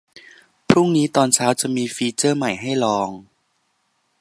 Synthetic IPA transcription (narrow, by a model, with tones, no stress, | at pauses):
pʰɾu˥˩ŋniː˦˥t̪ɔː˧nt͡ɕʰaː˦˥wt͡ɕa˨˩miː˧fiː˧t͡ɕɤː˥˩ma˨˩jɦa˥˩jlɔː˧ŋ